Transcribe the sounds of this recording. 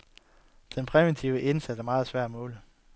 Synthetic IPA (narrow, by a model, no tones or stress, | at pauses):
d̥enpʰʁɛʋent͡sʰiʊəʔe̝nsæd̥æɐmɑ̈ːð̩ˠsʋæɐ̰dæmɔ̽ːlə